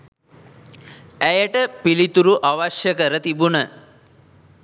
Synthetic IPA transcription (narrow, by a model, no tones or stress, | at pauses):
æjəʈəpilit̪uɾuʔaʋaʃjəkəɾət̪ibunə